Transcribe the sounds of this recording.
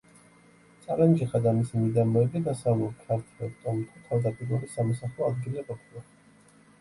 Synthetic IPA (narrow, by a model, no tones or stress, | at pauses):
t̪sʼalɛnd͡ʒiχad̪amisimid̪amɔɛbid̪asavlulkʰaɾt̪ʰwɛlt̪ʼɔmt̪ʰut̪ʰavd̪aɡʼɛd̪uɾisamɔsaχɔad̪ɡiliqʼɔpʰilˠa